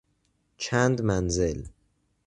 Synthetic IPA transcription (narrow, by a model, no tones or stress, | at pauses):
t͡ʃʰænd̪mænzel